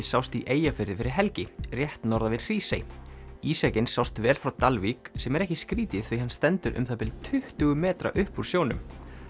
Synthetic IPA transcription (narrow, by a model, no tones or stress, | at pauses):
sawst̪iʔeːjafɪɾðɪfɪɾɪɾ̥ɦɛlcɪrjɛht̪nɔɾðavɪɾr̥iːsḛjiːsacɪnsawst̪vɛːlfɾawt̪alviksɛmɛɾɛhcɪskɾiːt̪ɪθviɦanst̪ɛnt̪ʏɾʔʏ̰mθapɪlt̪ʰʏht̪ʏɣʏmɛːt̪ɾa̰ʔʏhpuɾ̥sjownʏ̰m